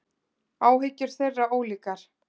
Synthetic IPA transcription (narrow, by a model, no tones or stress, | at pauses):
aːwɦɪcːʏɾ̥θejrːaoːwliːkaɾ̥